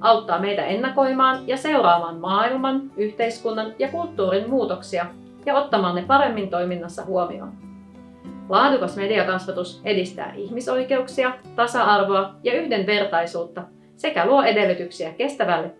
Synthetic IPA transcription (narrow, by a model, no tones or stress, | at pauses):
ʔɑwt̪ːɑːme̞jt̪æ̰e̞nːɑko̞jmɑːnjɑse̞uɾɑːʋɑːnmɑːilmɑnyçt̪e̞jskunːɑnjɑkult̪ːuːɾimmuːt̪o̞ksiɑ | jɑo̞t̪ːɑmɑːnːe̞pɑɾe̞mːint̪o̞jminːɑsːɑ̰huomḭo̞̰ːn | lɑːdukɑsme̞diɑkɑsʋɑt̪use̞dist̪æ̰ːʔiçmiso̞jke̞uksiɑt̪ɑsɑɑrʋo̞ɑjɑyçde̞nʋe̞rt̪ɑjsuːt̪ːɑ | se̞kæluoʔe̞de̞lːyt̪yksiæke̞st̪æʋælːe